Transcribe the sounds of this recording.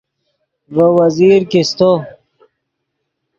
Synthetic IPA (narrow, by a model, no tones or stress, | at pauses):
vəwɐziːɾkist̪o